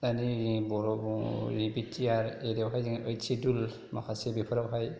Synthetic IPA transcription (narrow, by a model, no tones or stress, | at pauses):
anibɔɾɔbɾibitːiaɾeɾewɦajəjsidul | ma̰kʰasebipʰɔɾawɦaj